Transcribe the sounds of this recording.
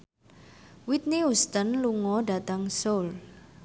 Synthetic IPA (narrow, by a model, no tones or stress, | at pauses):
wit̪̚niust̪ənluŋɔɖat̪aŋsol